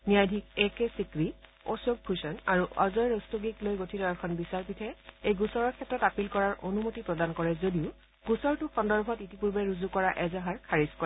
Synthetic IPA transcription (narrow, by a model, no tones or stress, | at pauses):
nijajdʱikɛkɛsikɹi | ɔsok̚pʰusɔnaɹuʔazɔjɹɔstoɡiklojɡotʰitɔakʰɔnbisaɹpitʰɛejɡusɔɹɔɹkʰɛtɹɔtapilkɔɹaɹʔonumotipɹɔdankɔɹɛzodiʊ | ɡ̥usɔɹtʊkɔndɔɹbʱɔtitipuɹbɛɹuzukɔɹaʔɛzaɦaɹkʰaɹiskɔɹɛ